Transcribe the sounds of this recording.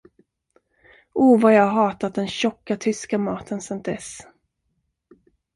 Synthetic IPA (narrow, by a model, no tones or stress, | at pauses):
ʔuːvajɑːɡɦɑːt̪at̪̚d̪ɛnɕɔkːat̪ʰʏskamɑːt̪ʰənsɛnt̪̚d̪ɛ̰s